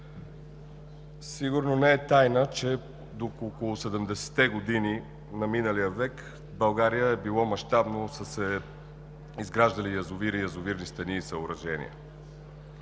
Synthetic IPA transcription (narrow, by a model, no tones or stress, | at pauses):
siɡʊɾnonɛɛt̪ajnət͡ʃɛ | d̪okoːkolˠʊsɛd̪ɛmd̪ɛsɛ̥t̪ɛɡod̪ini | nɐminəlijəvɛk | bɐlˠɡaɾijəɛbilˠɔmɐʃt̪abnosəsɛ | izɡɾaʒd̪əlijɐzʊviɾijəzʊviɾnist̪ɐniːsəʊɾɐʒɛnḭjə̰